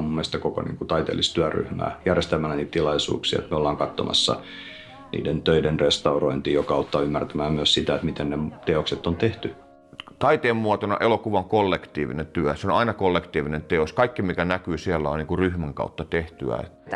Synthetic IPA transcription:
mumːeˑst̪ɑkoko̰nḭːŋkut̪ɑit̪ḛlːist̪yæry̰hmæ̰ːjærjest̪æmænæniːt̪t̪ilɑisṵːksḭːḛt̪meolːɑːŋkɑt̪ːo̰mɑ̰sːɑ̰ | nḭːdent̪øidenrest̪ɑuroint̪iːjokɑɑut̪ːɑːymːært̪æmæːmyæssit̪æet̪mit̪ennet̪eokset̪ːont̪eht̪y | t̪ɑit̪eːmːuɑt̪onɑ̰ʔelokuʋɑoŋkolːekt̪iːʋḭnent̪yæseonɑinɑkolːekt̪iːʋinent̪eoskɑikːimikænækyːsiælːæonniːŋkuryhmæŋkɑ̰ut̪ːɑt̪eht̪yæ̰ḛt̪

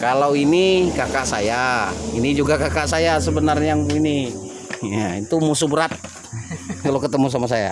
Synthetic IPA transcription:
kalawinikakaʔsajainid͡ʒuɡakakaʔsajasəbənarɲaini | jait̪umusubəɾat̪̚ | kalokət̪əmus̬amas̬aja̰

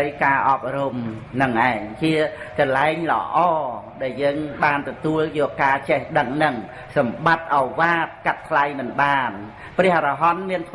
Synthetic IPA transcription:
əjkaːʔɑːp̚rumnɨŋʔaɛŋt͡ɕiəkɑnlaɛŋlə̰ʔɑːɗaɛljəːŋɓaːnt̪ɔt̪uəljɔːkkaːt͡ɕɛhɗəŋnɨŋ | sɑmɓat̪̚ʔaɔjʋaːt̪̚kat̪̚ːʰlajmɨnɓaːn | prɛ̆əhrɑɦɑnmiənt̪ʰ

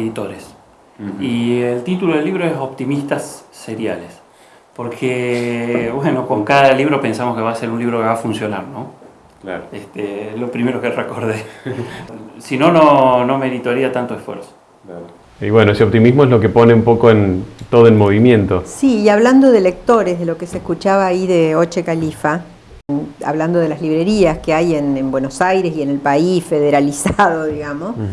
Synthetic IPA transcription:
eðit̪o̞ɾes | ielt̪it̪ulo̞ðelːiβɾo̞esopt̪imist̪asːeɾja̰les | po̞ɾkʰe | βwe̞no̞ko̞ŋkaðaliβɾo̞pe̞nsamoske̞βaːseɾunliβɾo̞keβafunsjo̞naɾno̞ | kaɾest̪eelo̞pɾime̞ɾokerekoɾðe | sino̞no̞no̞meðit̪aɾiat̪ant̪oesfweɾso̥ | a | ḭβwe̞noeseo̞p̚t̪imizmoeslo̞kepo̞neumpo̞ko̞ent̪oðoelmo̞βimjẽnt̪osiːaβland̪o̞ðele̞k̚t̪o̞ɾezðelo̞kesehkut͡ʃaβaːiðeot͡ʃekalifa | a̰βland̪oð̞elazliβɾeɾiaskeajenembwenosajɾesienelpaisfeð̞eɾalisaðo̞ðiɣamos

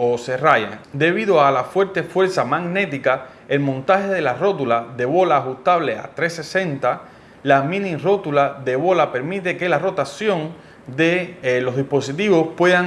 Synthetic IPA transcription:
ose̞rajḛd̪e̞βiðoalafwe̞ɾt̪e̞fwe̞ɾsamaɡne̞t̪ika | e̞lmõnt̪ahe̞ðe̞laro̞t̪̬ulaðe̞βo̞laːxust̪aβle̞a̰t̪ɾese̞sẽ̞nt̪a | lamĩnĩro̞t̪ulaðe̞βo̞lape̞ɾmit̪e̞ke̞laro̞t̪asjõ̞ŋ | d̪e̞lo̞ɦðihpo̞sit̪iβo̞spwe̞ða

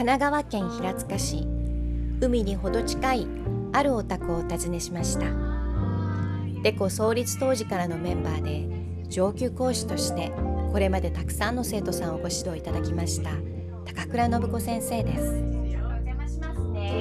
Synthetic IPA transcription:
kanaɡaβakẽ̞ɰ̃çiɾat͡sɨ̥kaɕi | ɯ̟mʲiɲ̟iho̞d̪o̞t͡ɕi̥kai | aɾɯ̟o̞t̪akɯot̪azine̞ɕimaɕi̥t̪a | d̪̥e̞ko̞so̞ːɾʲit͡sɨ̥t̪o̞ːʑikaɾano̞mẽ̞mbaːd̪e̞ | d͡ʑo̞ːkʲɨːko̞ːɕi̥t̪o̞ɕi̥t̪e̞ko̞ɾe̞mad̪e̞t̪akɯ̥sãnːo̞se̞ːt̪o̞sãɰ̃o̞ɡo̞ɕid̪o̞it̪ad̪akʲimaɕi̥t̪a | t̪ḁkakɯ̟ɾano̞bɯ̟ko̞sẽ̞ɰ̃se̞ːd̪e̞sɨ̥

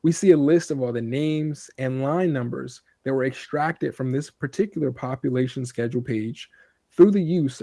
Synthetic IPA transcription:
wisiɨlɪstʌvɔlˠðɨnẽɪ̃mz̥ɨ̃nlãɪ̃nːʌ̃mbə̰˞z̥ | ðɨt̚wə˞ɨkstɹ̥æk̚tɨd̥fɹʌ̃mðɪspʰə˞tʰɪkjl̩ˠə˞pʰɑpjɨleɪʃɨ̃n̩skɛd͡ʒul̩ˠpʰeɪd̥ʒ̥ | θɹʉðɨjʉz

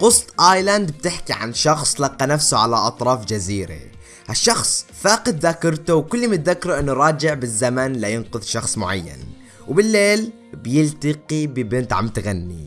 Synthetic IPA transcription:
qʊsˤt̪ˤʔaːjland̪b̚t̪ɪħkiʕa̰nʃɑxsˤlɑqːɑnafsuʕalaʔɑt̪ˤɾˤɑːfd͡ʒaziːɾḛ | haʃːɑxsˤfaːqɪd̪ðakɑɾˤt̪uwkʊlːimɪt̪̚ðakːɑɾˤʔɪnːuɾˤɑːd͡ʒɪʕbɪzːamanlajɪnqʊðʃɑxsˤmʊʕa̰jːa̰n | wbɪlːeːl | bjɪlt̪ɑqibɪbɪnt̪ʕa̰mt̪ɣanːḭ

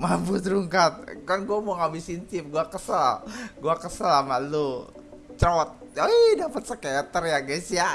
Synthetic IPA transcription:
mabut̪̬ɾuŋkat̪̚kanɡuamoŋabɪsint̪ɪp̚ɡuakəsalɡuakəsalamalu | t͡ʃɔt̪̚ | aidapət̪̚səkaat̪ərjaɡasija

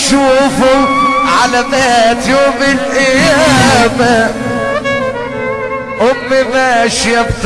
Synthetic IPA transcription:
ʃuːfʊʕalanat̪joːmɪlʔɪjaba | ʔʊmːɪmæːʃjabt̪

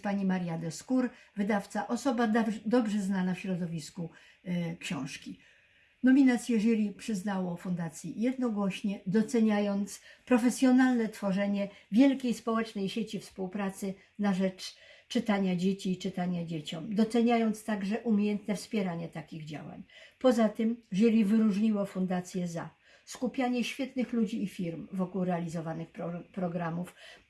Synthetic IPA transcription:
paɲimaɾjad̪ɛskuɾvɘd̪aft̪saʔɔsɔbad̪ɔbʐɛznanafɕɾɔd̪ɔvʲisku | kɕɔ̃w̃ʂkʲi | nɔmʲinat̪sʲjɛʐɛlʲipʂɘznawɔfund̪at̪sʲjijɛd̪nɔɡwɔɕɲɛd̪ɔt̪sɛɲajɔnt̪spɾɔfɛsʲjɔnalnɛt̪fɔʐɛɲɛvʲjɛlkʲejspɔwɛt͡ʂnɛjɕet͡ɕifspuwpɾat̪sɘ | naʐɛt͡ʂt͡ʂɘt̪aɲad͡ʑet͡ɕiːt͡ʂɘt̪aɲad͡ʑet͡ɕɔmd̪ɔt̪sɛɲajɔnt̪st̪aɡʐɛʔumʲejɛnt̪nɛfspʲjɛɾaɲɛt̪akʲiɣd͡ʑa̰wa̰ɲpɔzat̪ɘmʐɛlʲivɘɾuʐɲiwɔfund̪at̪sʲjɛza | skupʲjaɲɛɕfʲjɛt̪nɘxlud͡ʑiːfʲiɾmvɔkuwɾɛalʲizɔvanɘxppɾɔɡɾamuf

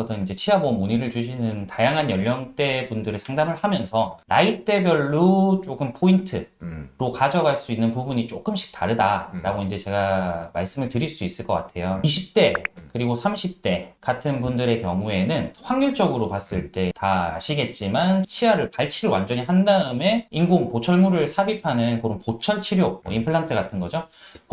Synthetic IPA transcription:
ʌdʌnind͡ʑe̞t͡ɕʰiwaboʌmuɲiɾɯɭt͡ɕuɕ̬ʰinɯntajaŋɦanjʌʎːjʌnt͈e̞pundɯɾesʰaŋdamɯɭhamjʌnsʰʌɾa̰it͈e̞bjʌɭːut͡ɕ͈oɡɯmpʰointʰɯɾokad͡ʑʌɡaɭs͈uinːɯnpubuɲit͡ɕ͈ok͈ɯmɕʰi̥k̚taɾɯdaɾaɡoind͡ʑe̞t͡ɕe̞ɡamaɭs͈ɯmɯɭtɯɾiɭs͈uis͈ɯɭk͈ʌk͈a̰tʰe̞joiɕʰip̚t͈e̞kɯɾiɡosʰamɕʰip̚t͈e̞katʰɯnbundɯɾe̞kjʌ̰ŋue̞nɯnɸwaŋjuɭt͡ɕ͈ʌɡɯɾopas͈ɯɭt͈e̞taa̰ɕʰiɡe̞t̚t͡ɕ͈imant͡ɕʰiwaɾɯɭpaɭt͡ɕʰiɭwa̰nd͡ʑʌɲiɦandaɯme̞inɡoŋpot͡ɕʰʌɭmuɾɯɭsʰabipʰanɯnkɯɾompot͡ɕʰʌɭt͡ɕʰiɾjomwʌimpʰɯɭːaŋtʰɯɡatʰɯnɡʌd͡ʑo

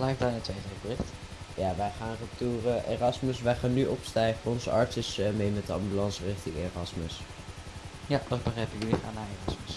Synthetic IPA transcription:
b̥lɛjfdaːnətʋejχejbərɪχt | jaːʋɛjχaːnrəp̚tuːrəʔḛːrɑsməsʋɛjχaːnːyʔɔpstɛjχəɔnzəɑɹtsəsmejmɛtəɑ̰mbylɑnsərɪχtɪŋeːrɑsməs | jadɑtbəχrɛjpəkyliχa̰ːnːaːeːrɑsməs

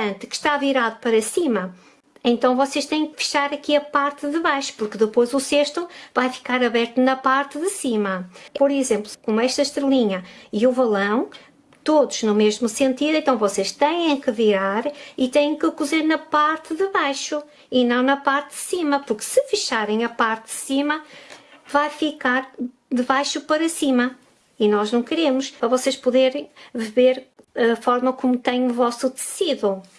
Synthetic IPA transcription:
ɐ̃nt̪kɨ̥ʃt̪aviɾaðupɐɾɐsimɐ | ẽnt̪ɐ̃w̃vɔseʃt̪ẽjẽkɨ̥fɨ̥ʃaɾɐkiɐpaɾt̪ɨðɨβajʃu̥puɾkɨðɨpojzuseʃt̪uvajfi̥kaɾɐβɛɾt̪unɐpaɾt̪ɨðɨsimɐpɔɾizẽmplˠukomuɛʃt̪ɐʃt̪ɾɨlˠiɲɐiuvɐlˠɐ̃w̃ | t̪oðuʒ̥numeʒmusẽnt̪iðuẽnt̪ɐ̃w̃vɔseʃt̪ẽjẽj̃kɨviɾaɾit̪ẽjẽkɨkuzeɾnɐpaɾt̪ɨðɨβajʃu | inɐ̃w̃nɐpaɾt̪ðɨsimɐpuɾksɨfɨʃaɾẽj̃ɐpaɾt̪ðɨsimɐ | vajfikaɾ | ðɨβajʃupɐɾɐsimɐ | inɔʒnɐ̃w̃kɨɾemʊʃpɾɐvɔseʃpuðeɾ̃j̃vɨβeɾɐfɔɾmɐkomut̪ẽɲuvɔsuðɨsiðu

